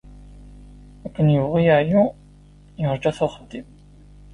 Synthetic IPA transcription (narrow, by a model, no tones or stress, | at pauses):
ækʷːənjəvʁijæʕju | jəɾˤd͡ʒæθʊχəd̪ːim